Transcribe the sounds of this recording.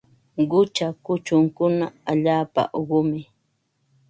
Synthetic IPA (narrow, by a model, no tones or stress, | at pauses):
ɢʊt͡ʃakʊt͡ʃʊŋkʊnaaʎaːpa̰ʔoɢʊmɪ